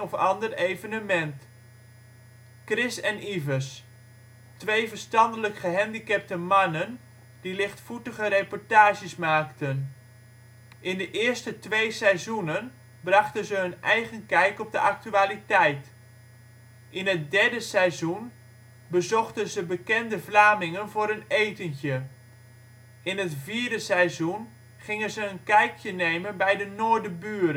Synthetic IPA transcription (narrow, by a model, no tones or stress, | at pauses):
ɔfɑ̰ndərejvənəmɛnt | krɪsɛnivəs | tʋejvəɹstɑndələkχəɦɛndikɛp̚təmɑnən | d̥ilɪχtfutəχəɾepɔɹtaːʒəsmaːktən | ʔɪndəʔɪːɹstətʋejsɛjzunən | brɑχtənzəɦɵnʔɛjχənkɛjkɔb̚dəʔak̚tyaːlitɛjt | ʔɪnət̚dɛɹdəsɛjzun | bəzɔχtənzəbəkɛndəvlaːmɪŋənvʊːɾənejtənçə | ɪnɦətviːɹdəsɛjzun | χɪŋənzəːnkɛjkjənejmənbɛjdənoːɹdəbyːɾə